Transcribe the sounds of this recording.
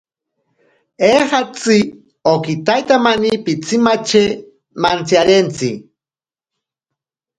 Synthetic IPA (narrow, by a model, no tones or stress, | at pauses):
ehat͡si | okit̪ajt̪amanipit͡sʰimat͡ʃe | mant͡sjaɾent͡si